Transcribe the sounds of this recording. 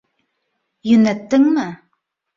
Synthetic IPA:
jɵ̆næt̪ːɘŋmɘ

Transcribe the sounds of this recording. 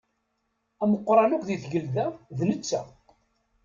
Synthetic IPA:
æməqːɾˤɑnækʷðiθʝəlðæðnət͡sːæ̰

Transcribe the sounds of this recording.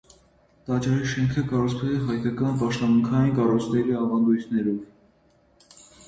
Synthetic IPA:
t̪ɑt͡ʃɑɾiʃɛŋkʰəkɑɾut͡sʰχɛlɛɦɑjkɑkɑnpɑʃt̪ɔmuŋkʰɑjinkɑrujt͡sʰnɛɾiɑvɑnd̪ujt̪ʰnɛɾɔv

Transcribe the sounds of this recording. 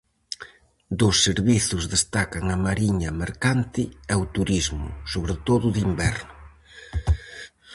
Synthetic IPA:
d̪ʊsːeɾβiθʊzðest̪akɐŋɐmaɾiɲɐmeɾkant̪ɪɛwt̪uɾizmʊ̰soβɾɪt̪oðʊðimbɛɾnʊ

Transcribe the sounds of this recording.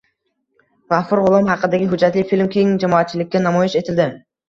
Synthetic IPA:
ʁafʊɾʁʊlˠɒmɦɑqɨd̪aɡʲɪɦʊd͡ʒːat̪lɪfilmkʲʰeŋd͡ʒamɒːt̪̚t͡ʃʰɪlɪkʲːanamɒjɪʃe̞t̪ʰɪld̪ɪ

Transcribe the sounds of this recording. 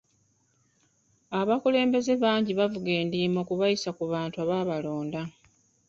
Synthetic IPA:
aβakule̞ːmbe̞ze̞βaːɲɟiβavuɡe̞ːndiːmo̞kuβajisakuβaːntuaβaːβalo̞ːnda

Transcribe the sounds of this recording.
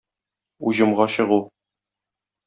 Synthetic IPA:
uʑɤ̆mʁɑɕɤ̆ʁu

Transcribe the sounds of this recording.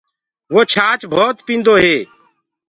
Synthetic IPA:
ʋoːt͡ʃʰaːt͡ʃbʱoːt̪pĩːnd̪oːɦeː

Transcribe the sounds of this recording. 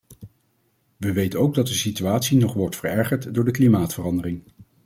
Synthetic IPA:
ʋəʋejtənowɡ̚dɑt̚dəsityaːtsinɔχʋɔɹtfəɹɛɹχəɹtdʊːɹdəklimaːtfərɑndərɪŋ

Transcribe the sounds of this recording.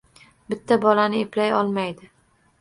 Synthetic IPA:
bɪt̪ʰːabɒlanɪeplajɒlˠmajd̪ɪ

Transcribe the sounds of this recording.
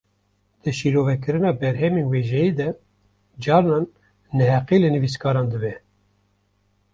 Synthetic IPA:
d̪̥ɨʃiɾoːvɛkɨɾɨnɑːbɛɾɦɛmiːnweːʒɛjiːd̪ɛ | d͡ʒɑːɾnɑːnː | ɛhɛqiːlɨnɨvis̬kɑːɾɑːnd̪ɨbɛ

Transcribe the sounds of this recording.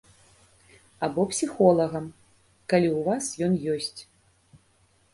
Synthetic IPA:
abɔpsʲixɔlˠɐɣɐm | kalʲiwvasjɔnjɔsʲt͡sʲ

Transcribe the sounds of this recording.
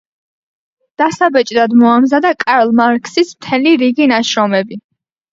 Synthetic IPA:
d̪̥asabɛt͡ʃʼd̪ad̪mɔamzad̪akʼaɾlˠmaɾkʼsismt̪ʰɛliɾiɡinaʃɾɔmɛbi

